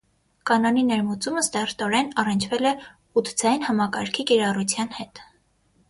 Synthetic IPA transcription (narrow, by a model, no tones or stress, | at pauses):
kɑnɑninɛɾmut͡suməst̪ɛrt̪ɔɾɛnɑrənt͡ʃʰvɛlɛ | ut̪d͡zɑjinhɑmɑkɑɾkʰikiɾɑrut͡sʰjɑnhɛt̪